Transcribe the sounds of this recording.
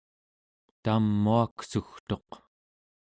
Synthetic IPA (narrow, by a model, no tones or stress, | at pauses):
t̪amːuaksuxt̪o̞q